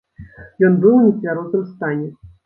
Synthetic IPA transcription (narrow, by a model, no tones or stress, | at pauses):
jɔnbɨwnʲisʲvʲaɾɔt̪ɨmst̪anʲɛ